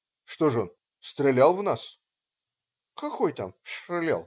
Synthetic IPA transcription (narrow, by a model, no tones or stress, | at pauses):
ʂt̪o̞ʐɨon | st̪ɾʲɪlʲalˠvnas | kɐkojt̪a̰mʂrɨlʲa̰lˠ